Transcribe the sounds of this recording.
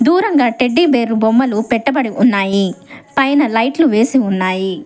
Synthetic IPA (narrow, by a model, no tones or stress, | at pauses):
d̪uːɾɐŋɡaːʈeɖːibeːɾubomːɐlupɛʈːɐbɐɽiʔunːaːjipɐjnɐlɐjʈluʋe̞ːsiunːaːji